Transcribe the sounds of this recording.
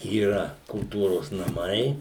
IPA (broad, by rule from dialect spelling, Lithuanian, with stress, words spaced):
iːˈrɐ kʊlˠˈtuːroːs nɐˈmɐɪ